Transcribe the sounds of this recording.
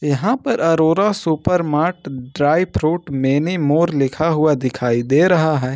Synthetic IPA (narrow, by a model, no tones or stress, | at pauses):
jɐɦãpɐɾɐɾoːɾasʊpəɾmaːɾʈɖɾaːɪpʰɾoːʈmeːnemoːɾlɪkʰaɦʊad̪ɪkʰaːid̪eːɾɐɦaɦɛː